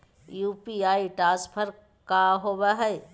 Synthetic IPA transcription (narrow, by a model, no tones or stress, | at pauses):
juːpiaːiʈaːspʰəɾ | kaɦoːbaɦɛ